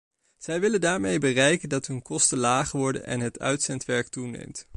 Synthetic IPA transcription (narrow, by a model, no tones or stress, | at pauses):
z̥ɛjʋɪləndaːɹmejbərɛjkəndɑtɦɵnkɔstəlaːχəʋɔɹdə̰nʔɛ̰nɦətœ̰ɥtsɛntʋɛɹk̚tunḛjmt